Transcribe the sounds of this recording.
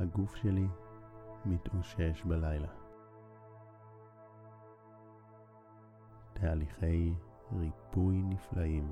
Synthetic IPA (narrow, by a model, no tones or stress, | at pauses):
haɡufʃeli | mitʔoʃeʃbalajla | tʰaːliχe̞j | ʁipujniflaʔim